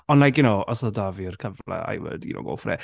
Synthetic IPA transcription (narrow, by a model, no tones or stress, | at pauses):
ɔnlajkjʊnoːʔɔsɔdavirkʰəvla̰a̰jwə̰dino̰wɡo̰lfrɛ̰ː